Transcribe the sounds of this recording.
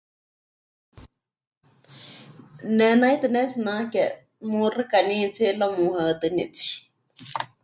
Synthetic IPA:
nɛnajt̪ɨnɛsɨnãkɛ | murɨkanĩːt͡silomũhaɨt̪ɨnḭt͡si̥

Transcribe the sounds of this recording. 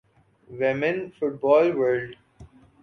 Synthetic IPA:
ʋɪmɪ̃nfʊʈ̚bɔːlʋəlɖ

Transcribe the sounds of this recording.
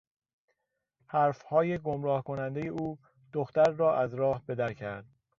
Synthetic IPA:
hæɾfhɒːje̞ɡomɾɒːhkʰo̞nænd̪e̞je̞ʔuː | d̪̥oxt̪æɾːɒːʔæzɾɒːhbe̞d̪æɾcʰæɾd̪̥̚

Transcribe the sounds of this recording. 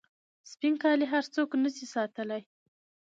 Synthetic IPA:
spiŋkɑliɦaɾt͡soknəsisɑt̪əlaj

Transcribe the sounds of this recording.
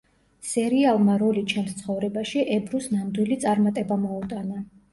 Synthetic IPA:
sɛɾialˠmaɾɔlit͡ʃʰɛmst̪sʰχɔvɾɛbaʃiʔɛbɾusnand̪wilit̪sʼaɾmat̪ʼɛbamɔut̪ʼana

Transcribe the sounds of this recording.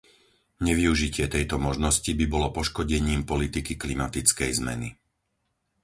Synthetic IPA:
ɲɛʋiuʒicɪɛt̪ɛjt̪ɔmɔʒnɔscibibɔlɔpɔʃkɔɟɛɲiːmpɔlit̪ikiklimat̪it͡skɛjzmɛ̰ni

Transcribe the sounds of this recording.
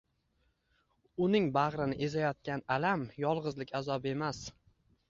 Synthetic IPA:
ʊnɪŋbaʁɾɪnɪʔezajɒt̪̚kʲanalamjɒlˠʁɨzlɪkʲʰazɒbe̞mas

